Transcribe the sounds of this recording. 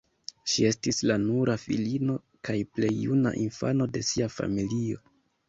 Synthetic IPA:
ʃie̞stislanuɾʔafḭlino̞ | kajple̞jːuna̰ʔinfa̰no̞de̞siafa̰milio̞̰

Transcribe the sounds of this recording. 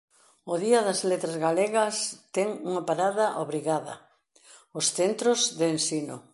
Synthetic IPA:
ʊðiɐðɐzlet̪ɾazɣaleɣɐst̪ɛŋuŋɐpaɾaðɐʔoβɾiɣaðɐ̰ | osθent̪ɾʊzðɪːnsino̰

